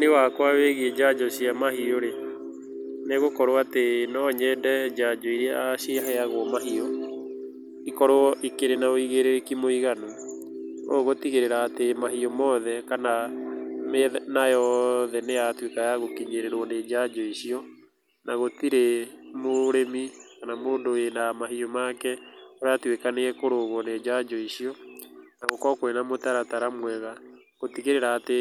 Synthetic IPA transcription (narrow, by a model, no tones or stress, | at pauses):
newakwaweɣiɛd͡ʒad͡ʒɔɕiamahioɾe | neɣokɔɾoatenɔɲɛdɛd͡ʒad͡ʒɔiɾeaɕiɦajaɣoɔmaɦiɔ | ikɔɾoɔʔikeɾenaoiɣeɾeɾekimoiɣano | o̰ɣotiɣeɾeɾaːtemaɦiɔmɔðɛkana | menajɔðɛnejatwekajaɣokiɲeɾeɾwɔned͡ʒad͡ʒɔiɕiɔ | naɣotiɾemoɾemikanamoːndoenamahiɔmakɛoɾatwekaneɛkoɾoɣwɔned͡ʒad͡ʒɔiɕiɔnaɣokɔkwenamotaɾataɾamwɛɣa | ɣotiɣeɾeɾaːte